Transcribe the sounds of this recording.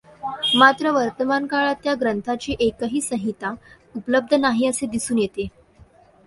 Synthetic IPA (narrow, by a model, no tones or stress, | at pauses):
mat̪ɾəʋəɾt̪əmankaɭat̪jaɡɾənt̪ʰat͡ɕiːʔekəɦiːsəɦit̪a | upləb̚d̪ʱənaɦiːəsed̪isuːnjet̪e